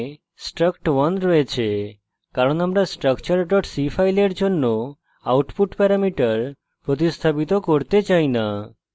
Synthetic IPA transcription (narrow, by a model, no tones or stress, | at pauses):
sʈɾəkʈwənɾɔet͡ɕʰe | kaɾonamɾasʈɾəkt͡ɕəɾʈɔʈsifʰajleɾd͡ʑonːo | awʈpuʈpɛɾamiʈəɾ | pɾot̪̬ist̪ʰapit̪okoɾt̪et͡ɕaina